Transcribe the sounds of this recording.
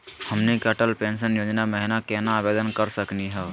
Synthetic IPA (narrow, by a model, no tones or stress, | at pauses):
hɐmnikɐʈəlpẽːnʃ̬ənjoːd͡ʒnamɛɦɪnakɛːnaːbeːd̪ənkəɾsəkniɦɛː